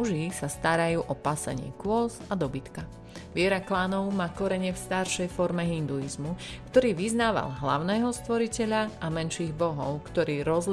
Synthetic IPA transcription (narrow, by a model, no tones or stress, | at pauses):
uʒisast̪aɾajuːʔɔpasɛ̰ɲɪɛ̰kʊɔzad̪ɔbit̪ka | ʋɪɛɾaklaːnɔʊmaːkɔɾɛɲɪɛfst̪aɾʃɛjfɔɾmɛɦind̪uizmukt̪ɔɾiːʋiznaːʋa̰lɦla̰ʊnɛːɦɔst̪ʋɔɾicɛʎaʔamɛnʃiːɣbɔɦɔʊkt̪ɔɾiːɾɔzl